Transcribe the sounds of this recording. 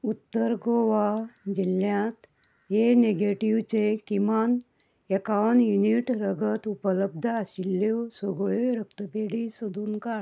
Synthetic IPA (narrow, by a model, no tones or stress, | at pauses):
ut̪ːəɾɡoʋad͡ʑiljãt̪ | ɦeneɡeʈiʋt͡ɕekiman | ekaʋɳjuniʈɾəɡʱət̪upələb̚d̪ʱəaɕilːesoɡɭeɾəkt̪əpeɽisod̪ʱuːnka